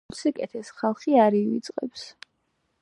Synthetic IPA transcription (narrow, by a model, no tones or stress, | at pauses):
sikʼɛt̪ʰɛsχalˠχiaɾiit̪sʼqʼɛps